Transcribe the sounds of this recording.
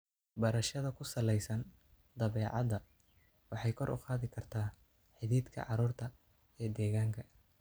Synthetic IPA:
bɐɾɐʃɐðɐkʰʊsɐlɛjsɐn | d̪ɐβɛːʕɑ̰ðɐ | wɑħɑjkʰɔɾʔʊ̰qaːðɪkʰɐrt̪ʰaː | ħɪðiːd̪kʰɐ̰ʕɑɾuːrt̪ʰɐ | ijɞd̪ɛːɣaːŋkʰɐ

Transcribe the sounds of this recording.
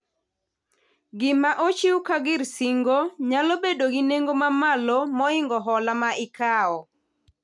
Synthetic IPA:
ɡɪmaʔot͡ʃiwkaɡɪɾsiŋɡoɲalobedoɡineŋɡomamalɔmɔɪŋɡɔɦɔlamaʔɪkaɔ

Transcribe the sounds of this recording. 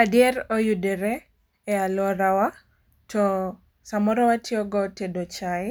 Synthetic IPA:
adɪɛɾojudeɾe | ɛalɔɾawa | tʰɔ | samɔɾɔwatʰɪɔɡɔtedot͡ʃaɪ

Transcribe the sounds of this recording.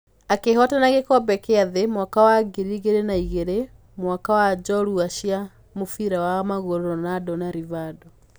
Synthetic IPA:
akehɔtanaɣekɔbɛkeaðemwakawaɡiɾiɣeɾenaiɣeɾe | mwakawad͡ʑɔɾuaɕia | mofiɾawamaɣoɾoɾɔnadɔnaɾivadɔ

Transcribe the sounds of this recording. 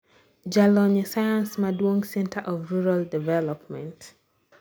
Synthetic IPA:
d͡ʒalɔnasajãnsmadwɔ̃ŋsɛ̃ntʰəʔɔvɹuɹaldivɛlɔpmɛ̃nt

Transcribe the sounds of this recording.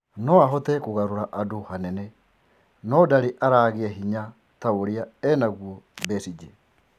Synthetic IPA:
nɔaɦɔtɛkoɣaɾoɾaʔadohanɛnɛ | nɔdaɾeʔaɾaːɣeaɦiɲa | taoɾiaɛnaɣwɔbɛsid͡ʒe

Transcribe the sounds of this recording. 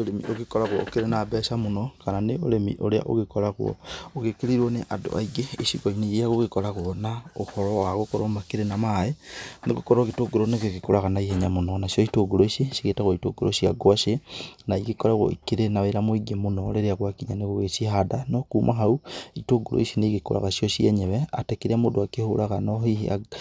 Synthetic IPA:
olemḭʔoɣekɔɾaɣwookeɾenabɛsamonokananeoɾemḭʔoɾea̰ʔo̰ɣekoɾaɣwɔ̰oɣekeɾiɾwoneʔado̰a̰iɡeːʃiɡoineiaɣoɣekoɾaɣwonaohɔɾɔwaɣokoɾomakeɾenamaeneɣokoɾoɣetoɡoɾoneɣeɣekoɾaɣanaiheɲamonɔnaʃjoitoɡoɾoiʃiʃiɣetaɣoitoɡoɾo̰ʃiaɡwaʃenaiɣekoɾaɣo̰ḭkiɾenaβeɾamoiɡemonɔleɾeaɣwakiɲaneɣoɣeʃihadanokuːmʔaɦauitoɡolʔo̰iʃineiɣekoɾa̰ɣaʃjɔʃiɛɲɛβɛatekeɾamodoakehoɾaɣanohiha̰

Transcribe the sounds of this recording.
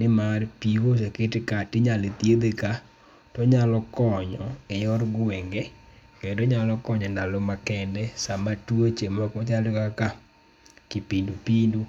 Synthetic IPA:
nɪmarpikos̬ekɪtɪkatɪɲalet̪jed̪eka | tɔɲalɔkɔɲɔɛjɔɾɡwɛŋɡɛkendoɲalɔkɔɲɔndalɔmakɛndɛsamatwot͡ʃemakɔt͡ʃalɔkaka | kɪpindupindu

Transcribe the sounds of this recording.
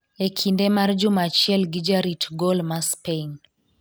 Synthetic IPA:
ekʰindemard͡ʒʊmat͡ʃɪɛlɡid͡ʒaɾitɡɔlmaspeŋ

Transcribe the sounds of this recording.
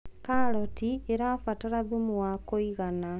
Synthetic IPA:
kalɔtieɾafataɾaðumuwakoiɣana

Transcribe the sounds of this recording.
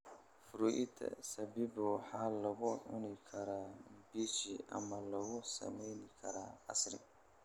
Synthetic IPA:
fʊɾuʔɪt̪ʰɐ̰sɐbibɔħalɐɣʊʕʊnɪkʰɐɾabiːsiʔɐ̰mɐlɐɣʊsɐ̰mɛjnɪkʰɐɾaɐ̰sɾɪ̰

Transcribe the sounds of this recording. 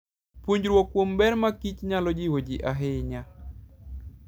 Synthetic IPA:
puɲd͡ʒɾwokːwombɛɾmakit͡ʃɲalɔd͡ʒɪwod͡ʒiʔaɦɪɲa

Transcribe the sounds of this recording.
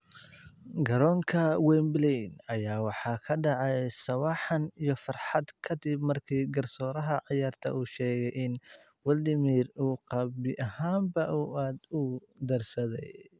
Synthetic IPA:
ɡɐɾɔːŋkʰɐwɛmblɛnɐjaːwɑħɑːkʰɐɖɑʕɑjsɐwɑħɑnijɞfɑrħɑd̪kʰɐd̪ɪbmɐrkʰiːɡɐrsɔːɾɐɦɐʕɑjaːrt̪ʰɐ̰ʔuːʃɛːɣɛjʔɪn | wɐld̪ɪmiːruːqɑbɪʔɐhaːmbɐʔuːaːd̪ʊ | d̪ɐrsɐðɛj

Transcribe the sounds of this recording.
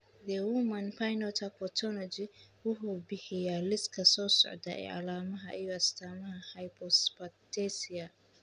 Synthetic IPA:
d̪ɛwʊmɐnpʰajnɔt̪ʰapɔt̪ʰɔlɔd͡ʒiwʊħubɪhɪjaːlɪskʰɐsɔːsɔ̰ʕd̪ɐɛ̰ːʔa̰laːmɐɦɐʔɪjɔɐst̪ʰaːmɐɦɐhajpʰɔspat̪ɛsɪa

